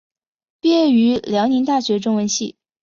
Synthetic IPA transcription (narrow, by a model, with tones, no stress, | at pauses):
pjɛ˥˩y˧˥ljɑ˧˥ʊni˧˥ŋt̪a˥˩ɕɥɛ˧˥ʈ͡ʂʊ˥ŋwə˧˥nɕḭ˥˩